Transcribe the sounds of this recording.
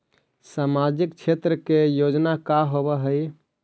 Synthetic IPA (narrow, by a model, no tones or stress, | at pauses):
samad͡ʒikt͡ʃʰet̪ɾəkejod͡ʒnakaɦobɛɦəj